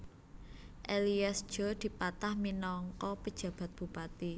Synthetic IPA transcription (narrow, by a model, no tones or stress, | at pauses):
ʔeliasʒ̥ɔ̤d̪̥i̤pat̪ahminɔŋkɔpəd̥ʒ̥ä̤b̥a̤t̪̚b̥ṳpat̪i